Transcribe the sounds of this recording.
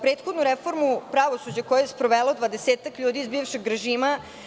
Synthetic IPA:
pɾeːt̪xod̪nuɾefo̞ɾmupɾaʋo̞sud͡ʑakojejespɾoʋeːlo̞d̪ʋad̪eseːt̪akʎuːd̪iːzbiːʋʃeɡɾeʒiːma

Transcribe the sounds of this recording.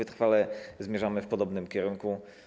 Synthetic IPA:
ɘt̪ɾfalɛzmʲjɛʐamɘfpɔd̪ɔbnɘmkʲɛɾuŋku

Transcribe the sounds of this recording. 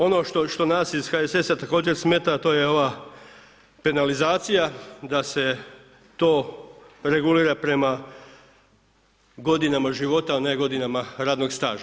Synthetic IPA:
o̞no̞ʃt̪o̞ʃt̪o̞nasiz̥xaese̞sat̪ako̞ːd͡ʑe̞ɾsmeːt̪at̪o̞ːje̞o̞ʋa | pe̞nalizaːt̪sijad̪ase̞ | t̪oːɾe̞ɡuliːɾapɾe̞ma | ɡo̞d̪inamaʒiʋo̞t̪aneɡo̞d̪inamaɾaːd̪no̞ɡst̪a̰ːʒa

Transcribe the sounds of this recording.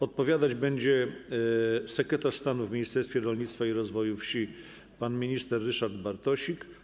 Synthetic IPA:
ɔt̪̚pɔvʲjad̪ad͡ʑbɛɲd͡ʑɛ | sɛkɾɛt̪aʂst̪anuvmʲiɲist̪ɛɾst̪fʲjɛɾɔlɲit̪t̪faiɾɔzvɔjufɕi | panmʲiɲist̪ɛɾːɘʂaɾd̪baɾt̪ɔɕik

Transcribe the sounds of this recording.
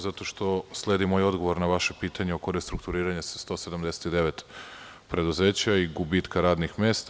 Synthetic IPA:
zat̪o̞ʃt̪o̞sle̞d̪imojo̞d̪ɡo̞ʋo̞ɾnaʋaʃepiːt̪aɲeokojest̪ɾuk̚t̪uɾiːɾaɲe̞sḁst̪o̞se̞d̪amd̪e̞se̥t̪id̪e̞ʋe̞t̪ | pɾe̞d̪uze̞ːt͡ɕaiɡubiːt̪kaɾaːd̪nixmeːst̪

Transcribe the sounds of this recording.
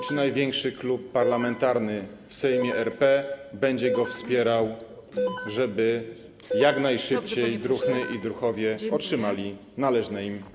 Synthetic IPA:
t͡ʂɘnajvʲjɛŋkʂɘklupːaɾlamɛnt̪aɾnɘfsɛjmʲjɛʔɛɾpɛbɛɲd͡ʑɛɡɔfspʲjɛɾaw | ʐɛbɘ | jakn̪ajʂɘpt͡ɕejd̪ɾuxnɘʔid̪ɾuxɔvʲjɛɔtʂɘmalʲi | nalɛʐnɛim

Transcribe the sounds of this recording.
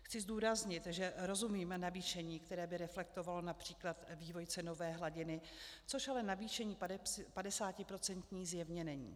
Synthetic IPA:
xt͡sɪzd̪uːɾazɲɪt̪ʒɛɾo̞zumiːmnaviːʃɛɲiːkt̪ɛɾɛːbɪɾɛflɛk̚t̪o̞valo̞napr̝̥iːklat̪viːvo̞jt͡sɛno̞vɛːɦlaɟɪnɪ | t͡so̞ʃalɛnaviːʃɛɲiːpadɛsaːcɪpɾo̞t͡sɛnt̪ɲiːzjɛvɲɛnɛɲḭː

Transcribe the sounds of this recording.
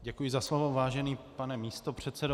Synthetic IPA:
ɟɛkujɪzaslovovaːʒɛniːpanɛmiːst̪o̞pr̝̥ɛt̪t͡sɛdo

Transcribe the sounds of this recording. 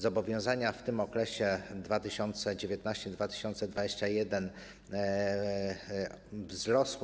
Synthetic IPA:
zɔbɔvʲjɔ̃w̃zaɲaft̪ɘmɔkɾɛɕɛd̪vat̪ɘɕɔnt̪sɛd͡ʑevʲjet̪naɕt͡ɕɛd̪vat̪ɘ̥ɕɔnt̪sɛd̪vad͡ʑeɕt͡ɕajɛd̪ɛn | vzɾɔs

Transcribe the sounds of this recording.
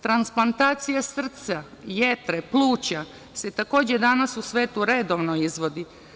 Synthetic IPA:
t̪ɾansplˠant̪aːt̪sijasr̩t̪sa | je̞t̪ɾeplˠuːt͡ɕa | se̞t̪ako̞ːd͡ʑed̪anasusʋeːt̪uɾe̞d̪oʋnoizʋo̞d̪i

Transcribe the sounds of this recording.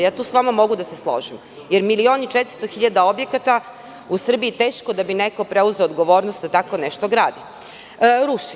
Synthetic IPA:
jaːt̪uːsʋamamo̞ɡud̪aseslˠo̰ʒim | jeɾmilio̞ːnit͡ʃet̪ɾ̥st̪oxiʎad̪ao̞bje̞kat̪a | usr̩biit̪eːʃkod̪abineko̞pɾeuzeoːd̪ɡo̞ʋo̞ːɾnost̪̚d̪at̪ako̞neʃt̪oɡɾaːd̪i | ɾuʃi

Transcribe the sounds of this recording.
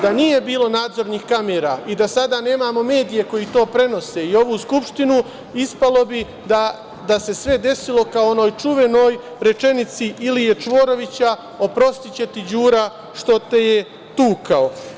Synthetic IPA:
d̪anije̞biːlˠo̞naːd̪zo̞ɾnixkameːɾaːid̪asad̪ane̞ːmaːmo̞me̞ːd̪ije̞kojit̪o̞ːpɾe̞no̞se̞io̞ʋuskupʃt̪inu | ispalo̞bi | d̪a | d̪ase̞sʋe̞d̪e̞silo̞kao̞no̞ːjt͡ʃuʋe̞no̞ːjɾe̞t͡ʃe̞nit̪siʔilije̞t͡ʃʋo̞ːɾo̞ʋit͡ɕa | o̞pɾo̞st̪it͡ɕe̞t̪id͡ʑuːɾa | ʃt̪o̞t̪e̞je̞ | t̪uːkao

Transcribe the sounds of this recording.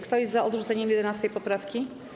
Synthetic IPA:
kt̪ɔjɛzt̪zaʔɔd̪ʐut̪ɛɲɛmjɛd̪ɛnast̪ɛjpɔpɾafkʲi

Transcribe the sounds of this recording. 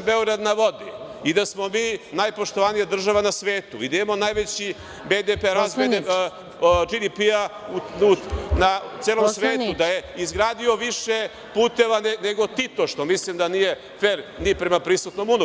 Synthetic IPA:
be̞oɡɾad̪naʋo̞d̪i | id̪asmo̞miːnajpo̞ʃt̪oʋanijad̪r̩ʒaʋanasʋe̞ːt̪uid̪aiamonajʋet͡ɕi | bed̪epeɾazbed̪e | d͡ʒid̪ipiauunat̪seːlomsʋeːt̪ud̪ajeizɡɾaːd̪io̞ʋiʃe | puːt̪e̞ʋaneneɡo̞t̪it̪o̞ʃt̪omislimd̪anije̞ | feɾnipɾe̞mapɾisut̪no̞munu

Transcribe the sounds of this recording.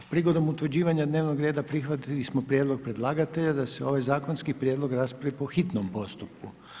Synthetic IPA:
pɾiɡo̞d̪o̞mut̪ʋɾ̩d͡ʑiːʋaɲad̪ne̞ːʋnoɡɾe̞ːd̪apɾixʋat̪ilismo̞pɾjed̪lˠo̞ɡ̚pɾe̞d̪lˠaːɡat̪e̞ʎad̪aseo̞ʋajzaːko̞nskipɾjeːd̪lˠo̞ɡɾaspɾaʋipo̞xit̪nompo̞st̪up̚ku

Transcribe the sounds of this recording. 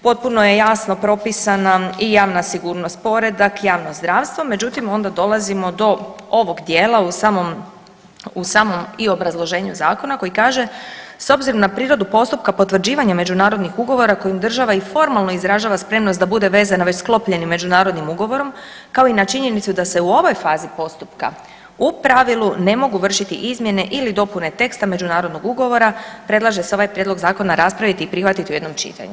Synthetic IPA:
po̞t̪̚puno̞je̞jasno̞pɾo̞pisanaijaːʋnasiɡuːɾno̞st̪̚po̞ɾe̞d̪akjaːʋnozd̪ɾaːʋst̪ʋo̞me̞d͡ʑut̪imo̞nd̪ad̪o̞lˠazimo̞d̪o̞o̞ʋo̞ɡd̪je̞ːlausaːmom | usaːmo̞mio̞bɾazlˠo̞ʒe̞ːɲuzaːko̞nako̞jikaːʒe̞so̞bziɾo̞mnapɾiːɾo̞d̪upo̞st̪up̚kapo̞t̪ʋr̩d͡ʑiːʋaɲame̞d͡ʒunaːɾo̞d̪nixuɡo̞ʋo̞ɾako̞jimd̪r̩ʒaʋaifo̞ɾmalˠno̞izɾaʒaːʋaspɾe̞mnosd̪abud̪e̞ʋe̞zanaʋe̞t͡ɕsklˠo̞pʎe̞nimːe̞d͡ʒunaːɾo̞d̪nimuɡo̞ʋo̞ɾo̞m | kao̞inat͡ʃiɲe̞nit̪sud̪ase̞uo̞ʋo̞jfaːzipo̞st̪upka̰ | upɾaʋilune̞mo̞ɡuʋr̩ʃit̪ḭʔizmje̞ne̞ʔilid̪o̞pune̞t̪e̞kst̪ame̞d͡ʒunaːɾo̞d̪no̞ɡuɡo̞ʋo̞ɾapɾe̞d̪lˠaʒe̞seo̞ʋajpɾjed̪lo̞ɡzaːko̞naɾaspɾaʋit̪iːpɾixʋat̪it̪iue̞d̪nomt͡ʃḭt̪a̰ɲṵ

